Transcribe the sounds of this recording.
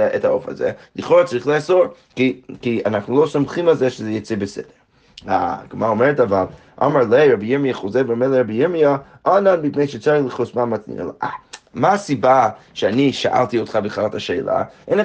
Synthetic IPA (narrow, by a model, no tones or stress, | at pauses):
ethaofa̰zɛ̰lɨχoɾat͡saɾiχlˠeasoɾ | kikianaχnulˠosomχimalˠzɛʃəzɛjot͡sebəsɛ̰d̥eɹ | a̰ɡmaomeɹetavalˠ | ʔa̰maɹlejɹabijiɹmijaχozevbəmelˠeɾabijɪmia | ananbipnejʃət͡saiχlˠəχosmamat͡snḭna̰lo̰ʔamaːsibaʃeaniʃa̰ʔa̰lˠtiotχabəχlaʁtaʃeːla̰ʔen